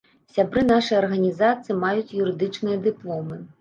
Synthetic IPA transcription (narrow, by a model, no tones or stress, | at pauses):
sʲabɾɨn̪aʂɨjɐrɣɐnʲizat̪sɨjimajut͡sʲjuɾɨd̪ɨt͡ʂnɨjɐd̪ɨplˠɔmɨ